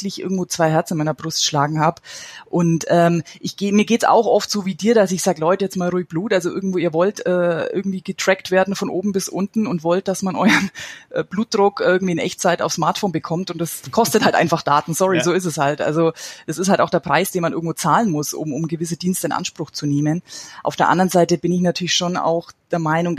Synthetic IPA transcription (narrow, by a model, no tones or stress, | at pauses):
lɪçʔɪ̰ɐɡŋ̩tvoːt͡sv̥aɪɦɛɐt͡sɪnmaɪnɐbʁʊstʃlaːɡŋ̩haːbʔʊntʔɛːmʔɪçɡ̥eːmiːɐɡeːtsa̰ʊxʔɔftz̥oːviːdiːɐdasɪçz̥aːɡəlɔʏtəjɛt͡stmaːlʁuːɪç̚b̥luːtʔalzoʔɪ̰ɐɡŋ̩tvoːiːɐvɔltɛːʔɪ̰ɐɡŋ̩tv̥iːɡətʁ̥ɛktv̥eːɐdn̩fɔnʔoːbm̩bɪsʔʊntn̩ʊntv̥ɔlt̚d̥asmanʔɔ̰ʏɐnʔɛːbluːt̚d̥ʁʊkʔɪɐɡŋ̩tv̥iːɪnʔɛ̰çt͡saɪta̰ʊfsmaɐtfoːnbəkʰɔmtʊntd̥ɛskʰɔstəthaltʔaɪnfaχd̥a̰ːtn̩sɔʁizoːɪs̬ɛshaltʔa̰lzod̥asɪsthaltaʊxd̥eːɐpʁ̥aɪsd̥eːnmanɪɐɡ̩v̥oːt͡saːlənmʊsʊ̰mʊmɡəvɪs̬əd̥iːnstəɪnʔa̰nʃpʁ̥ʊxt͡suneːmənʔa̰ʊfd̥eːɐʔa̰ndəʁənzaɪtəbɪnɪçnatʰyːɐlɪçʃona̰ʊxd̥eːɐmaɪnʊŋ